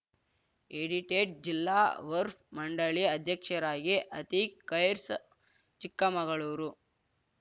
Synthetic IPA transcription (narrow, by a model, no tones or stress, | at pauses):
eɽiʈeːʈ̚d͡ʒilːa̰ːʋɐɾp̚mɐɳɖɐɭiɐd̪ʱjɐkʂɐɾaːɡiʔɐt̪ikːɐjɾs | t͡ʃikːɐmɐɡɐɭuːɾu